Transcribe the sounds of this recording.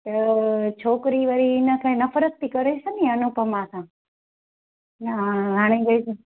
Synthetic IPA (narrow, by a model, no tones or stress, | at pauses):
t̪ət͡ʃʰoːkɾiːʋəɾinəkʰãnəfʰəɾək̚t̪ʰiːkəɾesənĩənupəmãsãː | nəɦaːɽ̃ẽɡɐis